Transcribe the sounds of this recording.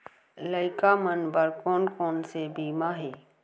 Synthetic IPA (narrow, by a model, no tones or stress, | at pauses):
ləɪkamənbəɾkɔːnkɔːnsebiːmaɦɛː